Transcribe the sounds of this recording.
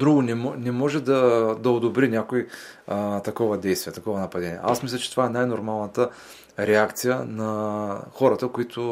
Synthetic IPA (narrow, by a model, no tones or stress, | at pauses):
d̪ɾuɡʊnɛmɔnɛmɔʒɛd̪ɐd̪ɐod̪obɾinʲakoi | t̪ɐkɔvəd̪ɛjst̪vijɛt̪ɐkɔvɐnɐpɐd̪ɛnʲiɛ̰ʔa̰smislʲɐt͡ʃɛt̪ovaɛnajnoɾmalˠnət̪ə | ɾɛakt̪sijənɐxɔɾɐt̪əkʊit̪ʰʊ